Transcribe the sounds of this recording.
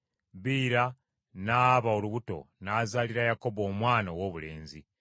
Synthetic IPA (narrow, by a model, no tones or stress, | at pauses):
βiːɾa | naːβaoluβuto̞̰naːzaliɾajako̞bo̞ːmwaːnawo̞ːβule̞ːnzi